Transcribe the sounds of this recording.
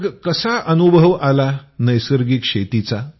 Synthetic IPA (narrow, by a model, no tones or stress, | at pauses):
ɡkəsaʔənubʱəʋalanəjsəɾɡikʂet̪it͡sa